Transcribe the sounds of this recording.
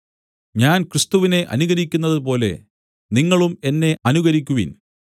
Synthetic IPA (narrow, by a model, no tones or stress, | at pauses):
ɲaːnkrɨst̪uʋine̞ʔɐ̰nuɣɐɾikʲːunːɐðɨp̬o̞ːle̞̰ | niŋːɐɭume̞nːe̞ʔɐnuɣɐɾikʲːuʋḭn